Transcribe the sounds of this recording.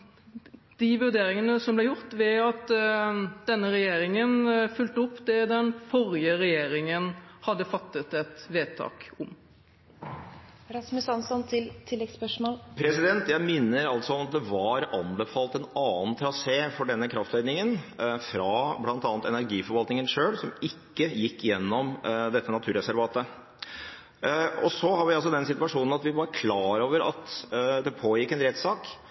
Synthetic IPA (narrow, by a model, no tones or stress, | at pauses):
d̪̥ɪʋʉɾd̪eːɾɪŋənəsɔmblɛjʊɾt̪ʋɛɑt̪ | d̪̥ɛnːəɾɛjeːɾɪŋənfʉlt̪əʊpːd̪ɛd̪ɛnfɔɾɪəɾɛjeːɾɪŋənhɑd̪ːəfɑt̪ːət̪ɛt̪ʋeːt̪ʰɑ̰ːkʊm | ɾɑsmʉsɑnsɔnt̪ʰɪlt̪ʰɪlːɛɡspœʂmoːlpʰɾɛsɪd̪ɛnt̪jæɪmɪnːəɾɑlt̪sɔɔmɑt̪̚d̪ɛʋɑɾɑnbəfɑːlt̪ɛnɑːənt̪ʰɾɑseːfɔɖɛnːəkʰɾɑft̪ʰʋæɪd̪nɪŋənfɾɑblɑnt̪ɑːnt̪ɛnæɾɡiːfɔɾʋɑlt̪nɪŋənʂøːlsɔmɪkːəjɪkːjɛnːɔmd̪ɛt̪ːənɑt̪ʰʉːɾɛsæɾʋɑːt̪ə | ɔsɔhɑɾʋɪɑls̬ɔd̪ɛnsɪt̪ʉɑʂuːnən̩ɑt̪ʋɪʋɑɾkʰlɑːɾoːʋəɾɑ̰t̪d̪ɛpʰoːjɪkːɛnɾɛt̪sɑːk